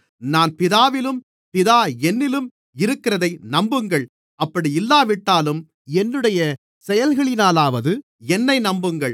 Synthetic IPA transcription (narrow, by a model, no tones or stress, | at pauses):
naːnpɪðaːʋɪlɯm | pɪðaːɛnːɪlɯm | ɪɾɯkːɪɾɐðɐɪnɐmbɯŋɡɐɭ | ɐpːɐɽiɪlːaːʋɪʈːaːlɯm | ɛnːɯɽɐjɐ | sɛjɐlɣɐɭɪnaːlaːʋɐðɯ | ɛnːɐɪnɐmbɯŋɡɐɭ